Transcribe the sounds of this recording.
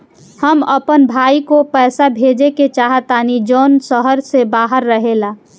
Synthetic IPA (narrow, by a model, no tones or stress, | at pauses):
həməpənbʱaːikopɛːsabʱeːd͡ʒeket͡ʃaːɦət̪aːnid͡ʒoːnsəɦəɾsebaːɦəɾːəɦela